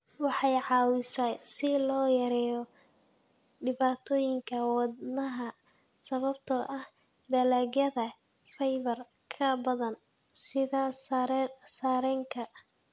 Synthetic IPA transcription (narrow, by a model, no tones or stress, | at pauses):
wɑħɑjʕɑːwɪsaːsɪlɔːjɐɾɛːjɔ | ɖɪβaːt̪ʰɔːjɪŋkʰɐwɑdnɐɦɐsɐβɐbt̪ʰɔʔɐh | d̪ɐlɛːɣjɐðɐfɛjβɐrkʰɐbɐðɐnsɪðasɾsaːɾɛŋkʰɐ